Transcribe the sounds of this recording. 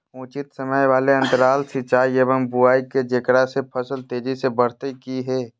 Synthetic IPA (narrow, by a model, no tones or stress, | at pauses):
ũːt͡ʃɪt̪səməjʋaːleɐ̃nt̪əɾaːlsɪt͡ʃaːieʋəmbuaːiked͡ʒekɽasepʰəsəlt̪eːd͡ʒisebəɽt̪ekiɦɛː